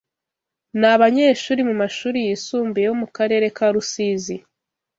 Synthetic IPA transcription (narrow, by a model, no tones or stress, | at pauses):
naβaɲe̞ːʃuːɾimumaʃuːɾijisuːmbejo̞mukaɾe̞ːɾe̞kaɾusizi